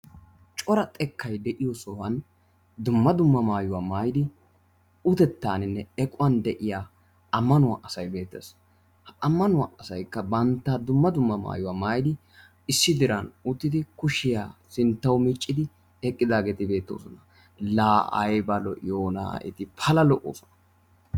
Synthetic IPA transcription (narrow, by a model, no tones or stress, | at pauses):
t͡ʃʼɔɾɐt̪ʼɛkʰːɐjd̪ɛʔɪjɔsɔwɐn | d̪ʊmːɐd̪ʊmːɐmaːjʊwaːmaːjd̪ɪ | ʊt̪ɛt̪ːaːnɪnːɛɛkʼʊwɐnd̪ɛʔɪjaː | ɐmːɐnʊwa̰ʔɐsɐjbe̞ːt̪ːḛs | hɐmːɐnʊwa̰ːʔɐsɐjkːɐbɐnt̪ːaːd̪ʊmːɐd̪ʊmːɐma̰ːjʊwaːmaːjd̪ɪ | ɪsːɪd̪ɪɾɐnʊt̪ːɪd̪ɪkʊʃɪjaːsɪnt̪ːɐwmit͡ʃʼːɪd̪ɪ | ɛkʼːɪd̪aːɡeːt̪ɪbe̞ːt̪ːo̞̰ːsɔnɐ | laːʔɐ̰jbɐlɔ̰ʔɪjoːna̰ːɪ̰t̪ɪpʰɐlɐlɔʔo̰ːsɔ̥nɐ̥